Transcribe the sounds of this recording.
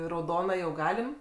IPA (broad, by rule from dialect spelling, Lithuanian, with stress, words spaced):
rɐʊˈdoːnɐ jɛʊ ˈɡɑːlʲɪm